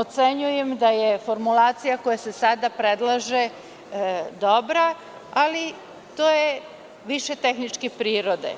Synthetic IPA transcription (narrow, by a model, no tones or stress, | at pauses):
ot̪se̞ɲuje̞md̪ajefo̞ɾmulˠaːt̪sijako̞jase̞sad̪apɾed̪lˠaʒe | d̪o̞bɾa | ali | t̪oːje | ʋiʃe̞t̪exnit͡ʃkepɾiːɾo̞d̪ḛ